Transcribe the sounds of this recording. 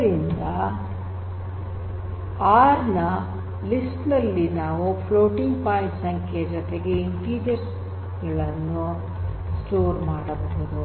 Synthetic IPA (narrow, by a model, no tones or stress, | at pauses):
ɾind̪ɐ | aːɾnɐ | lisʈnɐlːinaːʋupʰloːʈiŋɡpaːimsɐŋkʰejɐd͡ʒɔt̪eɡe̞iɳʈiːd͡ʒɐɾs | ɡɐɭɐnːu | sʈoːɾmaːɽɐbɐɦud̪u